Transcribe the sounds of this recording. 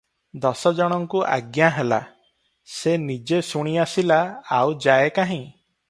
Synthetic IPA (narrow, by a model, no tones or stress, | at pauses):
d̪ɔsɔd͡ʒɔɽ̃ɔŋkuʔa̰ɡjaɦela̰ | senid͡ʒesuɽ̃iasilaːwd͡ʒaekaɦĩ